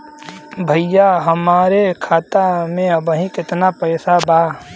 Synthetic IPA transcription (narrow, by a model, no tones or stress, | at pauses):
bʱɐjjaɦɐmaːɾekʰaːt̪amẽɐbɦĩkɪt̪napɛːsabaː